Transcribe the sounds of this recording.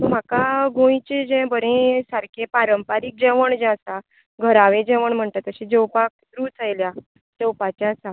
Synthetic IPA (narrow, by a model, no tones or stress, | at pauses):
t̪əm̤akaɡõjit͡ɕed͡ʑɛ̃bəɾẽsaɾkʰepaɾəmpaɾiːk̚d͡ʑɛʋəɳd͡ʑɛ̃əsa | ɡʱəɾaʋed͡ʑɛʋəɳm̤əɳʈ̪at̪əɕid͡ʑewpak̚sɾuːt͡sʰəjlja | d͡zewpat͡ɕasa